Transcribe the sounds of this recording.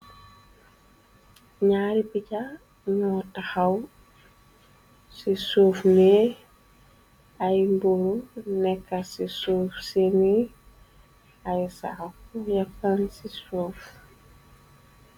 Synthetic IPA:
ɲaːɾipica | ɲɔtaxaw | sisoːfme | ajmbuɾunɛkːasisoːfseni | ajsa̰afujafansisoːf

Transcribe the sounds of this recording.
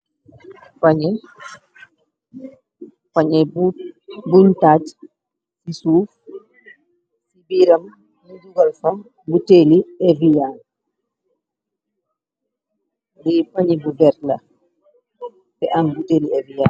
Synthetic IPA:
paɲɛ | paɲɛ | buɲtad͡ʒ | sisuf | sibiɾam | mud͡ʒuɡalfa | buteliɛvijan | dipaɲibubɛɾla | bɛʔanbuteliɛvijaːn

